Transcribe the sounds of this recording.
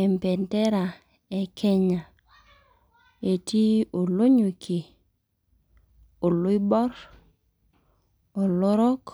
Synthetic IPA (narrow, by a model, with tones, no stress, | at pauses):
ɛ˨mpɛ˨ntɛ˦ɾa˨ | ɛ˨kʰɛ˦ɲa˨ | e˨ti˦o˨lo˦ɲu˨ki˨ | o˨lʊ˦i˦bɔ˦ɾ | o˨lɔ˦ɾɔ˦k